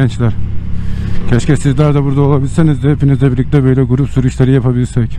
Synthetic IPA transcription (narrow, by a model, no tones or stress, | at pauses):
ɛnt͡ʃlʲæɾ̥ | cʰɛʃcɛsizlʲæɾd̪abuɾd̪aolˠabilʲisenizd̪hepinizlʲɛbiɾlʲic̚t̪ʲɛbø̞jlʲɛɡuɾupsuɾuʃlˠeɾɯjapʰabilʲiɾsɛc